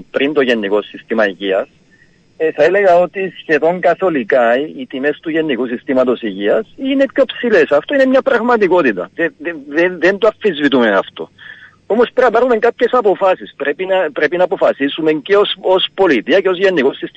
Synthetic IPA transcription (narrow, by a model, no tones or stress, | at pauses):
pɾint̪o̞ʝe̞nːiko̞sːist̪imɐiʝiɐs | θɐele̞ɣɐo̞t̪isçe̞ðo̞ŋkɐθo̞likait̪ime̞st̪uʝe̞nːikusist̪imɐt̪o̞siʝiɐsine̞pço̞psile̞sɐft̪o̞ine̞mɲɐpɾɐɣmɐt̪iko̞t̪it̪ɐ̰ðeððeðe̞nt̪oɐfːizvit̪umeɐ̰ft̪o̞̰ | omo̞speɾɐpɐɾume̞ŋkapçe̞sɐpo̞fasispɾepinɐpɾe̞pinaːpo̞fɐsisumeŋceosospo̞lit̪iɐkeo̞zʝe̞nːiko̞sːist̪i